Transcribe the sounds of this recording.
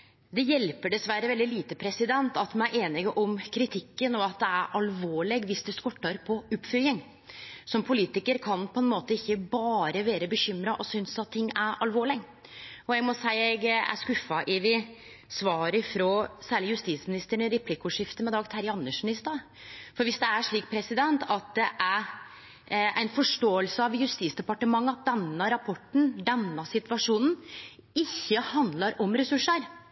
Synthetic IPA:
d̪ɛjɛlpəɖɛsʋæɾəʋɛld̪ɪliːt̪əpʰɾɛsɪd̪ɛnt̪ɑt̪mɛnæɾʔeːnɪɡəʔɔmkʰɾɪt̪ʰɪkːənɔɑt̪̚d̪ɛæɾʔɑlʋoːɭɪɡʋɪsd̪ʉskɔʈːɑɾpʰɔʊpfʏlɪŋ | sɔmpʰʊliːt̪ɪkəɾkʰɑnpʰɔɛnmoːt̪əɪçːəbɑːɾəʋeːɾəbəɕʏmɾɑʔɔsʏnsɑt̪̚ʰːɪŋːæɾɑlʋoːɭɪɡ | ɔɛɡmɔsæɪɛɡæ̰ʂkʉfːɑʔɪʋɪ | sʋɑːɾɪfɾɔːsæːɭɪjʉst̪iːt̪smɪnɪst̪əɳəɾɛpʰlɪkʊʂɪft̪əmɛd̪ɑːɡt̪ʰæɾɑnːəʂmɪnɪst̪ɑ | fɔɾʋɪsd̪ɛæʂɭiːk̚pʰɾɛsɪd̪ɛnt̪ɑt̪̚d̪ɛʔæɾ | æ̰ɪnfɔʂʈoːəlsəɑʋjʉst̪iːsd̪ɛpɑʈəmɑŋːəɑt̪̚d̪ɛnːəɾɑpʰɔʈːɳ̩d̪ɛnːɑsɪt̪ʋɑʂuːnn̩ | ɪçːəhɑnd̪lɑɾɔmɾɛsʉʂəɾ

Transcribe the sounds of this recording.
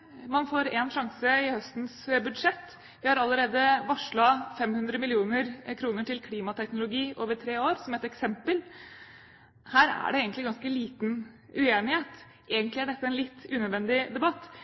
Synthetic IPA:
mɑnfoːɾɛnʂɑŋsəɪhœst̪n̩sbʉd̪ʂɛt̪ː | ʋɪhɑɾɑlːəɾeːd̪əʋɑʂɭɑfɛmhʉnd̪ɾəmɪlɪuːnəɾkʰɾuːnəʈɪlkʰliːmɑt̪ʰɛknʊlʊɡiːʔoːʋəʈʰɾeːoːɾsɔmæɛt̪ɛksɛmpəl | hæːɾæ̰ɖɛeːɡəntlɪɡɑnskəliːt̪n | ʉeːnɪheːt̪ | ʔeːɡənt̪lɪæɖɛt̪ːəɛnlɪt̪ːʉːnœd̪ʋɛnd̪ɪd̪ɛbɑt̪ː

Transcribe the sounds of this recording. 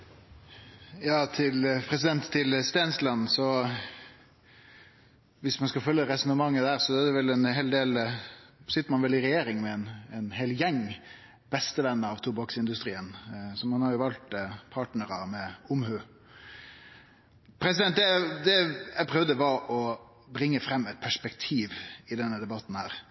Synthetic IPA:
jɑːt̪ʰɪlpʰɾɛsɪd̪ɛnt̪ʰːɪlst̪eːnslɑnːsɔ | ʋɪsmɑnskɑfœlːəɾɛsɔnəmɑŋːəd̪æːɾsɔæd̪ɛʋɛlɛnɦeːld̪eːl | sɪt̪ːəɾmɑnʋɛlɪɾɛjeːɾɪŋmɛɛnɛnɦɛːljɛŋː | bɛst̪əʋɛnːəɑʋt̪ʰuːbɑksɪnd̪ʉst̪ɾiːənsɔmɑnhɑɾjʊʋɑlt̪pʰɑːʈnəɾəmɛʊmhøː | pʰɾɛsɪd̪ɛnt̪d̪ɛd̪ɛæpʰɾœʋd̪əʋɑʔɔ | bɾɪŋːəfɾɛmːɛt̪̚pʰæʂpɛkt̪ʰiːʋɪd̪ɛnːəd̪ɛbɑt̪ːn̩hæːɾ

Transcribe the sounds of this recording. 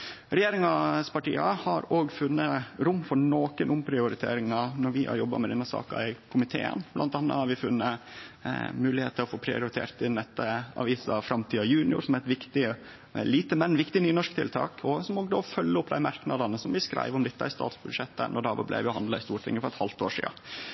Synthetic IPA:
ɾɛjeːɾɪŋɑspʰɑʈḭːɑhɑɾoːɡfʉnːəɾʊmːfɔɾɳoːkənʔʊmpʰɾɪʊɾɪt̪ʰḛːɾɪŋɑnɔɾʋɪhɑ̰ɾjɔbːɑ̰mɛd̪ɛnːəsɑ̰ːkɑ̰ɪkʰʊmɪt̪ʰḛːə̰nblɑ̰nt̪ɑnːə̰hɑɾʋɪfʉnːə | mʉːlɪheːt̪ʰːəɔfoːpʰɾɪʊɾɪt̪ʰḛːɾt̪ʰɪnɛt̪ːəɑ̰ʋiːsɑfɾɑmt̪ʰiːɑjʉːnɪʊ̰ɾsɔmæɛt̪ʋɪkt̪ɪ | liːt̪əmɛnːʋɪkt̪ɪnyːnɔʂkt̪ʰɪ̰lt̪ʰɑ̰ːkʰɔsɔmoːɡd̪ofœlːəʊpːd̪æɪmɑɾknɑd̪ɑnəsɔmʋɪskɾʔæ̰ɪʋɔmd̪ɛt̪ːəæɪst̪ɑ̰ːt̪sbʉd̪ʂɛt̪ːə̰nʔɔɖ̪æo̰ːʋə̰blæ̰ɪʋɪʊhɑnd̪lɑɪst̪uːʈʰɪ̰ŋːəfɔɾɛt̪hɑlt̪oːʂḭːɑ

